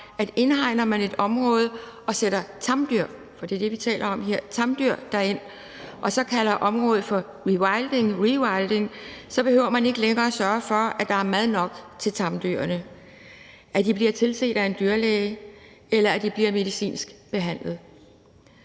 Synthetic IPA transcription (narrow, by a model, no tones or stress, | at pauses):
ʔæd̥e̝nhɑ̈ɪ̰nɐmæne̝d̥ɒ̽mʁɔ̽ːð̞ˠ | ɒ̽seɾ̥ɐt͡sʰɑ̈md̥yɐ̰ | fɒd̥ḭɐd̥e̝ʋit͡sʰɛ̰ːlʔɐɒ̽mɦe̝ɐ̰t͡sʰɑ̈md̥yɐ̰d̥æe̝n̰ | ʔɒ̽sɒ̽kʰælɐʔɒ̽mʁɔ̽ːð̩ˠfɒ̽ | ʁiwɑ̈ɪld̥e̝ŋʁiwɑ̈ɪld̥e̝ŋsɒ̽b̥e̝høʊɐmæne̝ɡ̥əleŋɐːæsɶːɐfɒ̽æd̥ɑ̈æɐmæð̞ˠnɒ̽ɡ̥t͡sʰe̝lt͡sʰɑ̈md̥y̰ɐɐnə | ʔæd̥ib̥liɐt͡sʰe̝lse̝̰ːd̥æe̝nd̥yɐlɛɪ | elɐæd̥ib̥liɐme̝ðˠisḭːnsɡ̥b̥e̝ɦæn̰lð̞̩ˠ